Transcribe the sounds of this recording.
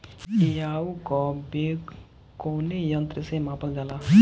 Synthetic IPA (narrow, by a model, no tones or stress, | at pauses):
ejaːukɔbe | koːnejənt̪ɾəsemãːpəld͡ʒaːlaː